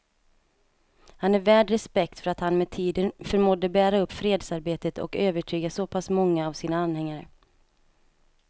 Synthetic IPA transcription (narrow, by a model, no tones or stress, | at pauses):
hanæɾvæːɖɾɛspɛk̚t̪fœɾat̪hanmɛt̪ʰiːd̪ənfœɾmɔd̪ːəbæːɾaɵpːfɾeːd̪saɾbeːt̪ət̪ʰɔ̰køːvəʈʰyːɡasɔpʰasmɔŋːaːvsiːnaanhɛŋːaɾə̰